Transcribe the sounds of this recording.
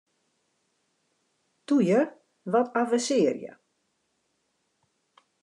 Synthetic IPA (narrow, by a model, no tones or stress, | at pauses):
tujər | ʋɔtʰafəsɪːərjə̰